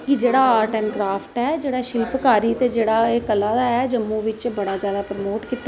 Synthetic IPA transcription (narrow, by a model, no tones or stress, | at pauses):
kɪd͡ʒeːɽaːaːɾʈɛːnkɾaːpʰʈɛːd͡ʒeːɽaːʃɪlpkaːɾiːt̪eːd͡ʒeːɽaːeːkəlãːd̪aːɛːd͡ʒəmːũːʋɪt͡ʃbəɽaːzjaːd̪aːpɾəmoːʈkiːt̪ːa